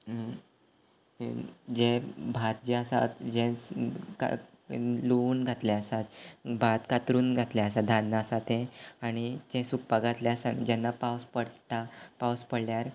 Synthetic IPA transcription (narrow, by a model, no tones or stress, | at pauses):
d͡ʑẽbʱat̪d͡ʑeasa̰t̪d͡ʑẽt͡ska̰ | louːnɡʱat̪lɛasat̪bʱat̪kat̪ɾuːnɡʱat̪lɛas̬ad̪ʱanːəasat̪ɛ̃aɽ̃id͡ʑẽsuk̚paɡʱat̪lɛasand͡ʑɛnːapawspəɽt̪apawspəɽljaɾ